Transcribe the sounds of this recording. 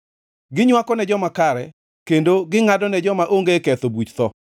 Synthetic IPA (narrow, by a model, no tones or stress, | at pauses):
ɡɪɲwakɔnɛd͡ʒɔmakaɾɛ̰ | kendoɡɪŋadɔnɛd͡ʒɔmaʔoŋɡekɛt̪obwut͡ʃt̪ɔ